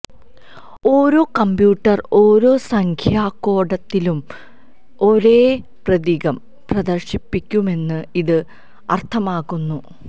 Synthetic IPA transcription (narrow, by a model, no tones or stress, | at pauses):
o̞ːɾo̞ːkɐmbjuːʈːɐro̞ːɾo̞ːsɐŋkʰjaːkːo̞ːɽɐt̪ːilum | o̞ɾe̞ː | prɐðiːɣɐm | prɐd̪ɐrɕipːikʲːume̞nːɨiðɨ | ɐ̰rt̪ʰɐmaːɣunːu